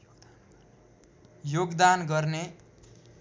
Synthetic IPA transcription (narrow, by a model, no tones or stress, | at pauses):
joɡd̪anɡʌrne